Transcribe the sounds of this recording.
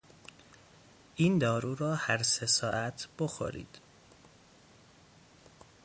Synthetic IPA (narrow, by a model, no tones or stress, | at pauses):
ʔiːnd̪ɒːɾuːɾɒːhæɾsesɒːʔæt̪ʰb̥oxo̰ɾḭːd̪̥